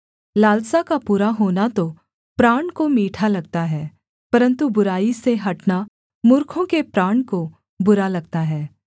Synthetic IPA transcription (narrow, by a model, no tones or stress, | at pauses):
laːlsakapuːɾaɦoːnat̪o | pɾaːɳkomiːʈʰalɐɡt̪aɦɛː | pɐɾə̃nt̪ubʊɾaːiseɦɐʈna | mʊɾkʰõkepɾaːɳko | bʊɾalɐɡ̚t̪aɦɛː